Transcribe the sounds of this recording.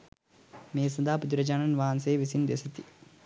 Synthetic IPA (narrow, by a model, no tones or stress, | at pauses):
meːsɐnd̪aːpud̪iɾɐd͡ʒaːnɐnʋaːnseːʋisind̪ḛsɐt̪i̥